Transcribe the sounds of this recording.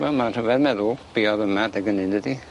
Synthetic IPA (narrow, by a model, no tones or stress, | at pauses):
wɛlmatʰɔvɛðmɛðʊlˠb̥iɔðəmadɛɡənɪndədi